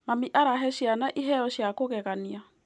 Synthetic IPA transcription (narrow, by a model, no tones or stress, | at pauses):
mamiʔaɾaɦɛɕjanaʔiɦɛɔɕjakoɣɛɣania